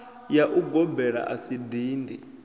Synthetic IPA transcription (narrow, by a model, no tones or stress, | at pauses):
jaʔuɡɔbɛɾa̰ʔasidiːndʱi